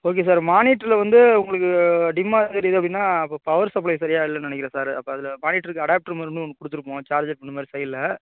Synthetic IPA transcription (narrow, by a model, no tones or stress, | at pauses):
oːk̬es̬aːɾmaːniːʈːɪlɐʋɐnd̪ɯʊŋɡɐɭɯkːɯɐɖɪmːaːɣɐɾɐɪðɯɐpɐɽɪnːaːpːoːpɐʋɐɾsɐp̬ːlɐɪsɐɾɪjaːɪlːɐnɐnɛkːɪɾɐ̃ːsaːɾɐpːoːɐðɪlɐmaːniːʈːɪɾɯkːɯɐɽaːp̚ʈɾmaːɾnːɯɔnːɯkːʊɽɯt̪ːɯɾɯpːõːt͡ʃaːɾd͡ʒɐʈ̚pɐɳːɯmaːd̪ɾisɐjlːɐ